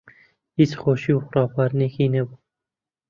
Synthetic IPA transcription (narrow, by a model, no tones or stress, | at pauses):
isxoːʃiːuxʊɾɑːfɑːɾnekiːnɛbu